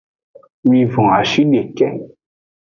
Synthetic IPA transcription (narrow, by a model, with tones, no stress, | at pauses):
wi˧vɔ̃˨a˨ʃi˦ɗe˨kɛ˦